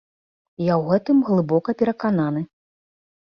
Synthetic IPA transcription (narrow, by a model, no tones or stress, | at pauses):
jawɣɛt̪ɨmɣlˠɨbɔkɐpʲɛɾɐkananɨ